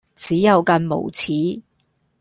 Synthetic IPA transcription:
t͡siː˨˥jɐ˨˧wkɐ˧nmo̰˨˩wt͡sʰiː˨˥

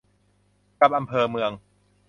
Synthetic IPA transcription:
ka˧˦p̚ʔa˧mpʰɤː˧mɯ˧əŋ

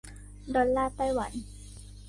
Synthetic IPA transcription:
dɔː˧llaː˥˩t̪a˥˩jwa̰˩˦n

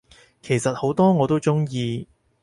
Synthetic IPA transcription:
kʰe˨˩jsɐ˨t̚ho˨˥wt̪ɔː˥ŋɔː˨˧t̪o˥wt͡ʃʊ˥ŋjiː˧

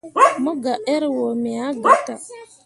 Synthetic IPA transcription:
mʊ˦ɡa˨ʔe˦ɾwo˨me˨a˦ɡa˨ta˨

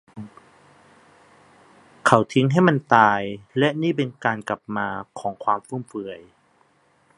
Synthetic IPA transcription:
kʰa˨˩wt̪ʰi˧˦ŋɦa˥˩jma˧˥˨nt̪aː˧jlɛ˦˧˥ʔniː˥˩p̬e˧nkaː˧nka˨˩p̚maː˧kʰɔː˩˦ŋkʰwaː˧mfu˧˥˩mfɯː˧əj

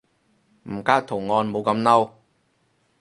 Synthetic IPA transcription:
m̩˨˩kaː˥w̚t̪ʰʊ˨˩ŋŋɔː˧nmo˨˧wkɐ˧mnɐ˥w

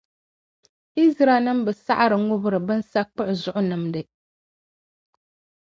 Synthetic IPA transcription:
i˦zɾa˨˦nɨ˦mbɨ˨sa̰˦ʔa˦ɾɨ˨ŋʊ˦bɨ˦ɾɨ˨bɨ˦n˦sa˦k͡pʊ˦ʔʊ˨zʊ˦ʔʊ˦nɨ˨mdɨ˨

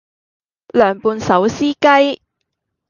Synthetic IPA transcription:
lœː˨˩ŋpuː˧nsɐ˨˥wsiː˥kɐ˥j

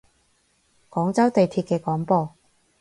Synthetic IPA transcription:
kɔː˨˥ŋt͡sɐ˥wt̪e˨jt̪ʰiː˧t̚kɛː˧kɔː˨˥ŋpɔː˧

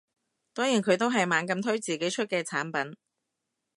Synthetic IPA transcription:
t̪ɔː˥ŋjiː˨˩nkʰɵ˨˧ɥt̪o˥wɦɐ˨jmaː˨˧nkɐ˧mt̪ʰɵ˥ɥt͡siː˨ke˨˥jt͡ʃʰɵ˥t̚kɛː˧t͡sʰaː˨˥npɐ˨˥n

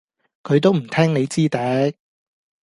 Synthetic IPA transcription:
kʰɵ˨˧ɥt̪o˥wm̩˨˩t̪ʰɛː˥ŋne˨˧jt͡siː˥t̪ɛː˨˥

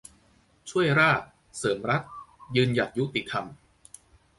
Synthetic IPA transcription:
t͡ɕʰu˥˩əjɾaː˥˩t̪̚ | sɤː˩˦mɾa˦˥t̪̚jɯː˧nja˨˩t̪̚ju˦˥t̪i˨t̪ʰa˧m

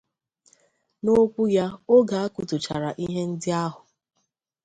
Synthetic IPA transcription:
no˦kʷu˦ja˦o˦ɡa˨a˦ku˨tʊ˨t͡ʃa˨ɾa˨ʔi˦ɦe˦n̩˦dɪ˦a˦ɦʊ˨

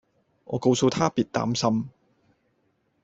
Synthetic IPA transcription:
ŋɔ̰ː˨˧ko˧wso˧wt̪ʰaː˥piː˨t̚t̪a̰ː˨˥msɐ˥m

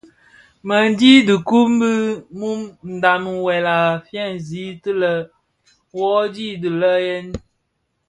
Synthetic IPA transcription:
mə˨n˦di˦də˨ku˦m̩˦bə˦mu˦mn̩˨da˨m˨wɛ˨la˨fjɛ˦˨n˨zi˨˦tə˦lə˦ | wɔ˦di˦˨di˨lə˦jɛ˦n

